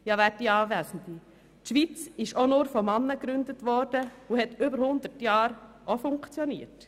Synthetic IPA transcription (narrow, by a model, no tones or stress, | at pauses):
jɑʋæːɾdiɑːʋæzən̩di | tʃʋit͡sɪʃonʊːɾfɔmɑnːəkɾʉnd̪ətʋɔɾd̥əuhɛtʏbəɾhʊnd̪əɾtjɑːɾ | ʔofʊŋkt͡sjɔniəɾt